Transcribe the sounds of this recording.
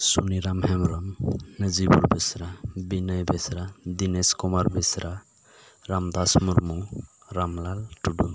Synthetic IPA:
suniɾamhɛmɾamnəzibuɾbesɾabinəjbesɾad̪ineskɔmaɾbesɾa | ɾamd̪asmuɾmu | ɾamlalʈudun

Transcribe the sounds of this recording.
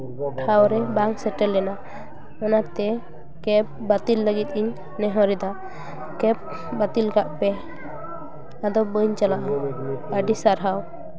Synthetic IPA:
ɔʈʰawɾɛbaŋsɛʈɛlːɛna | ɔnaɾt̪ɛ | kɛp̚bat̪ilːəɡit̪̚iɲ | nɛɦɔɾid̪a | kɛp̚ | bat̪ilkaʔpɛ | ad̪ɔbəɲt͡ʃalaʔa | əɖisaɾɦaw

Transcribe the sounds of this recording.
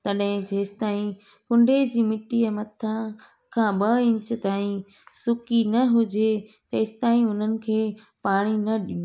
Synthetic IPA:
t̪ɐɗɦɪ̃d͡ʑeːsɪ̥t̪aːĩ | kʊ̃ɳɖʱed͡ʑiːmɪʈiɐmɐt̪ʰã | kʰãːɓɐɪ̃ɲt͡ɕə̆t̪aːĩ | sʊkinɐɦʊd͡ʑet̪ɐɪsɪ̥t̪aːĩʊn̤ənɪ̆kʰeː | paːɽ̃inɐɗɪnu

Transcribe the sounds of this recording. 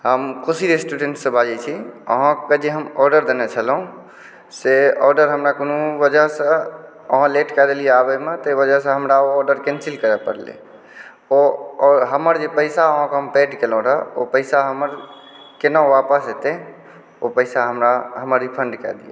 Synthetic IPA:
ɦəmkosiɾesʈuɖẽɳʈsə̃bʱad͡ʒet͡ʃʰiə̰ɦãked͡ʒeɦəmɔːɾɖəɾd̪enet͡ʃʰəlɦũ | seɔːɾɖəɾɦəmɾakonubəd͡ʒəɦsə̃ | əɦãleʈkɛd̪elijeabəmet̪əibəd͡ʒəɦsə̃ɦəmɾaoɔːɾɖəɾkẽnsilkəɾɛpə̰ɾlḛ | oɔɦəməɾd͡ʒepəɪsaəɦãkɦəmpeɖkelũɾəo̰pəɪsaɦəməɾ | kenaapəsɦet̪ẽ | opəɪsaɦəmɾaɦəməɾipʰə̃ɳɖkɛ̰d̪iḛ

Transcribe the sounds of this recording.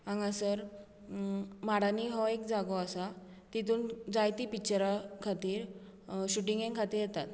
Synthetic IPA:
ãŋɡãsəɾ | maɽaniɦɔekd͡zaɡɔasa | t̪it̪uːnd͡zajt̪iːpit͡ɕɾakʰat̪iːɾ | ɕuʈĩŋɡeŋkʰat̪iːɾjɛt̪at̪

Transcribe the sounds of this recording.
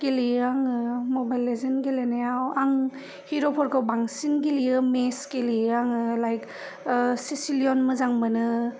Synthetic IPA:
ɡ̥eliaŋɯmobajlezɐnɡelenajawaŋ | hiɾopʰɔɾkʰawbaŋsinɡeliɯmeskeliaŋɯlajk | sisiliɔnmɯzaŋbɐnɯ

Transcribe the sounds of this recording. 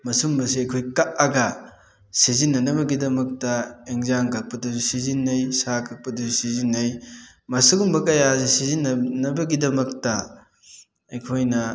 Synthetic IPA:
mɐsumbɐs̬iɐjkʰojkaʔɐɡɐ | sizinːɐnɐβɐɡidɐmɐk̚tɐeŋzaŋkʰɐk̚pɐdɐzusizinːɐjsakʰɐk̚pɐduzusizinːɐj | mɐsiɡumbɐkɐjasesizinːɐnɐbɐɡidɐmɐktɐ | ɐjkʰojnɐ

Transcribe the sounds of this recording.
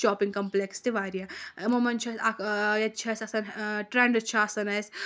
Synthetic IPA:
t͡ʃɔːpiŋɡkɐmplekst̪iʋaːɾijamomɐnt͡ʃʰɐsajɐtːt͡ʃʰɐsʲɐsɐnʈɾeːɳɖɐt͡ʃʰaɐsɐnɐsʲ

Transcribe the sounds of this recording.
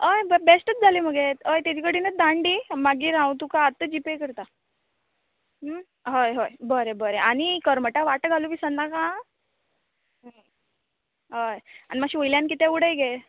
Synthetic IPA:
əjbbesʈət̪̚d͡zʱaliməɡet̪əjt̪ad͡ʑikəɽinəd̪ãɳɖimaɡiːɾãwt̪ukaːt̪əd͡ʑipekəɾt̪a | ɦ | ɦojɦojbəɾebəɾeʔañikəɾməʈaʋaʈəɡʱaluʋiːsənd̪akã | ɦə | ɦəja̰nimaɕiojljankit̪euɽəjɡe

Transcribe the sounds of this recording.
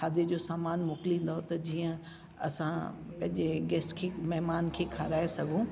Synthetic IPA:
aːd̪ied͡ʑoːsaːmaːnmʊːkɪlĩːnd̪aɦot̪ɐd͡ʑiːə̃ | ɐ̰sã | pɐ̃ɦɪ̃ɲd͡ʑeɡɛːsʈkʰemɛɦmaːnkʰeːkʰaːɾaːesɐɡʱũ

